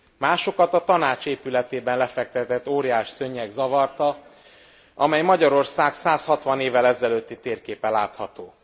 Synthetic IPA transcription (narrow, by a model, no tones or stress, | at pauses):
maːʃo̞kɒt̪ɒt̪ɒnaːt͡ʃeːpylɛt̪eːbɛnlɛfɛk̚t̪ɛt̪ɛt̪ːoːɾijaːʃsøɲːɛɡzɒvɒrt̪ɒ | ɒmɛjmɒɟɒɾo̞rsaːɡsaːshɒt̪ʋɒneːvːɛlɛzɛløːt̪ːit̪eːrkeːpɛlːaːt̪hɒt̪oː